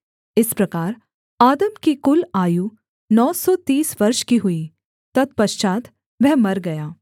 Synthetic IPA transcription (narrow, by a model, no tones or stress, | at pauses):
ɪspɾɐkaːɾ | aːd̪əmkikʊlaːju | nɔːsɔt̪iːsʋɐɾʃkiɦʊi | t̪ɐd̪̚pɐʃt͡ʃaːt̪ | ʋɛɦmɐɾɡɐjaː